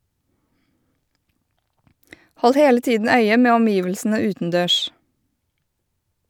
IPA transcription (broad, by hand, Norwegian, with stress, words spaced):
ˈhɔl ˈheːlə ˈtiːdn̩ ˈœʏə ˈmeː ɔmˈjiːʋəlsn̩ə ˈʉːtənˌdøːʃ